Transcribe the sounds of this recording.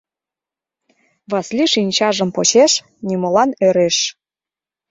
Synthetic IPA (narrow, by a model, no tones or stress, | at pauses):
βɑslʲiʃinʲt͡ɕɑʒə̆mpot͡ɕeʃ | nʲimŏlɑnøɾeʃ